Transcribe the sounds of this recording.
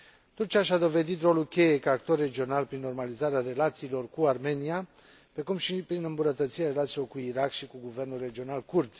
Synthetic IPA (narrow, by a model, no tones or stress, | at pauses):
t̪urt͡ʃiaʃad̪o̞ve̞d̪it̪ro̞lukʲe̞je̞kaakt̪o̞rːe̞d͡ʒio̞nalpɾinːo̞rmalizaɾeare̞lat̪siːlo̞rkuarme̞nia | pɾe̞kumʃipɾinɨmbunət̪ət̪siɾeaɾe̞lat̪silo̞rkuiɾakʃikuɡuve̞rnulre̞d͡ʒio̞nalkurd̪